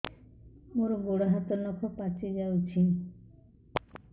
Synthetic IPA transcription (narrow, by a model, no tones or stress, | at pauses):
moɾoɡoɽaɦat̪onɔkʰopat͡ɕʰed͡ʑawt͡ɕʰi